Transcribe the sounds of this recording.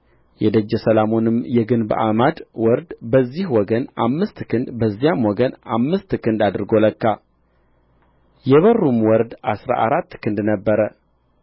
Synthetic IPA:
jɛd̪əd͡ʒːɛsəlamo̞nɨmjɛɡɨnbʔa̰mad̪wɔɾd̪bəzːihwɔɡənamːɨst̪kʰɨnd̪bəzːijamwɔɡənamːɨst̪kʰɨnd̪ad̪ɨɾɡoləkːa | jɛβərːumwɔɾd̪asɾa̰ʔaɾat̪ːkʰɨnd̪nəbːəɾə

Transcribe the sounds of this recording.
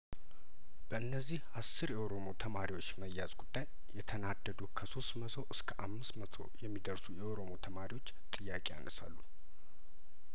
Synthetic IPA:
b̥əʔɨnːəzːihasːɨɾjɛʔoɾo̞mo̞t̪ʰəmaɾiwot͡ʃːməjːazɡud̪ːajːɛt̪ʰənad̪ːəd̪ukʰəso̞st̪mət̪ʰo̞ʔɨskʰəʔamːɨst̪mət̪ʰo̞̰jɛmːid̪əɾsujɛʔoɾo̞mo̞t̪ʰəmaɾiwo̞t͡ʃːt̪ʼɨjːakʼeja̰nʔəsa̰lːun

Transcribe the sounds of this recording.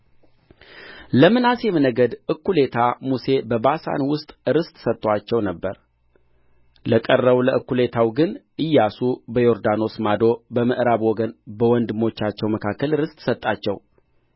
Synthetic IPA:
ləmɨnasjɛmɨnəɡəd̪ʔɨkːule̞t̪ʰamuse̞bəbasa̰nwʊst̪ʼɨɾɨst̪ʼsət̪ʼːwat͡ʃːɛwnəbːə̰ɾ | ləkʼərːəβləʔɨkːule̞t̪ʰawɡɨnʔɨjːasubəjo̞ɾd̪ano̞smad̪o̞bəməʔɾaβwɔɡənbəwɔnd̪ɨmo̞t͡ʃːat͡ʃːɛwməkʰakːəlɨɾɨst̪ʼsət̪ʼːat͡ʃːɛ̰w

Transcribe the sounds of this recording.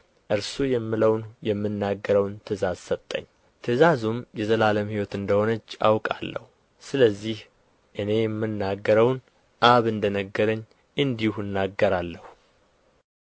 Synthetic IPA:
ʔɨɾsujɛmːɨləwnjɛmːɨnːaɡːəɾəwnt̪ʰɨzazsət̪ʼːə̰ɲː | t̪ʰɨzazumjɛzəlaləmhiwɔt̪ɨnd̪əho̞nət͡ʃːa̰wkʼalːə̰hu | sɨləzːih | ʔɨne̞jɛmːɨnːaɡːəɾəwn | ʔaβɨnd̪ənəɡːəɾəɲː | ʔɨnd̪ihuɨnːaɡːəɾalːəhu

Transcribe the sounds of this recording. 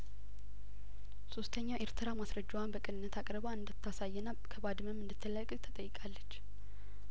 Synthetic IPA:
sost̪ʰəɲːawʔeɾt̪ʰɨɾamasɾəd͡ʒːwanbəkʼɨnɨnːət̪ʰakʼɾbaɨnd̪ɨt̪ʰːasajːɛnakʰəbad̪ɨməmːɨnd̪ɨt̪ʰːɨləkʼɨt̪ʰət̪ʼəjːɪkʼalːət͡ʃː

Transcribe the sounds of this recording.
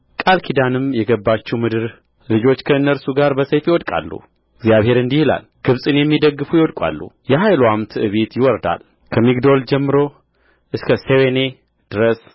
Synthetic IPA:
kʼalkʰid̪anɨmjɛɡəbːat͡ʃːɛwmɨd̪ɨɾ | lɨd͡ʒo̞t͡ʃːkʰəɨnːəɾsuɡaɾbəsəjfjiwɔd̪kʼa̰lːṵ | ɪɡzjaβhe̞ɾɨnd̪ihɨla̰lɡ̥ɨβsʼɨnjɛmːid̪əɡːɨfujɪwɔd̪kʼa̰lːṵjɛɦajlwamt̪ʰɨʔɨβet̪jɪwɔɾd̪a̰l | kʰəmiɡd̪o̞ld͡ʒɛmːɨɾo̞ | ʔɨskʰəsewene̞ | d̪̥ɨɾəs

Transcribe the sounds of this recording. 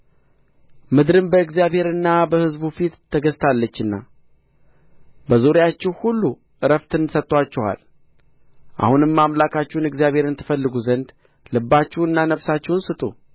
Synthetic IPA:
mɨd̪ɾɨnbəɨɡzijaβhe̞ɾɨnːabəhɨzbufit̪ʰːəɡəzt̪ʰalːət͡ʃːɨnːa̰ | bəzoɾɪjat͡ʃːɛwhulːu | ʔɨɾəft̪ʰɨnsət̪ʼːwat͡ʃːɛha̰l | ʔa̰hunɨmːamlakʰat͡ʃːɛwunɨɡzjaβhe̞ɾɨnt̪ʰːɨ̥fəlːɨɡuzənd̪ | lɨbːat͡ʃːɛwɨnːanəfsat͡ʃːɛwnsɨt̪ʼṵ

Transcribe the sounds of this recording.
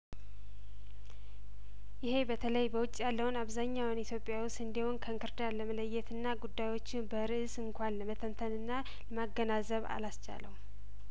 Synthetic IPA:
jɪhe̞bət̪ʰələjbəwʊt͡ʃʼːjalːəwʊnaβzaɲːawnit̪ʰjo̞pʼjawʊst̪ɨnd̪iwʊnkʰəɨŋkʰɨɾd̪aləmələjːɛt̪ɨnːaɡud̪ːajwo̞t͡ʃːɪnbəɾɨʔɨsɨŋkʷʰanləmət̪ʰənt̪ʰənɨnːa | ləmaɡːənazəβa̰last͡ʃa̰lə̰w

